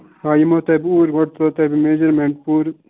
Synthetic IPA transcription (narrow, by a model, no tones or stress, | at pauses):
aːjimot̪ɐbuːɾɡɔɽt̪ot̪ɐbimeːd͡ʒɐɾmeɳʈ̚puːɾ